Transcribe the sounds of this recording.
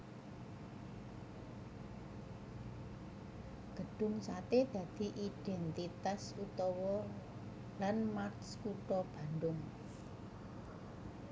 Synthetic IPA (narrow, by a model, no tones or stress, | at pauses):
ɡ̥ə̤ɖ̥ʊ̤ŋsat̪ed̪̥ä̤d̪̥i̤ʔid̪̥ɛnt̪it̪asut̪ɔwɔ | lanmartskuʈɔb̥a̤nd̪ʊŋ